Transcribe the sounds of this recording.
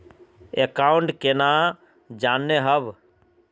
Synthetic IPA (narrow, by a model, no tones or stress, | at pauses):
ekaːʊɳʈkena | d͡ʒaːnːeɦəb